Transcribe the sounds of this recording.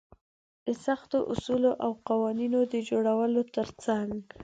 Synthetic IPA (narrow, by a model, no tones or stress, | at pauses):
d̪̥əsaxt̪oʔʊsuloʔawqɑwɑninod̪əd͡ʒoɽawəlot̪əɾt͡saŋɡ